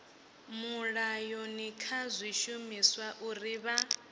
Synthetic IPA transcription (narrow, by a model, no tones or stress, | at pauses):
muɺajɔnikʰazʷiʃumiswaʔuriβa